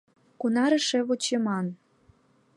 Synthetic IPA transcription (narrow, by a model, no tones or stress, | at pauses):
kunɑɾə̆ʃĕβot͡ɕemɑn